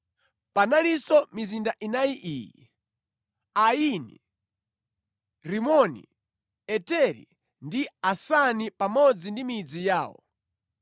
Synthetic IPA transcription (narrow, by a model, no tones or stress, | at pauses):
panalisɔmizindaʔinajiʔiːjḭ | ainḭ | ɾimɔnḭ | ɛtɛɾḭ | ndiasanipamɔd͡zindimid͡zijaːwɔ̰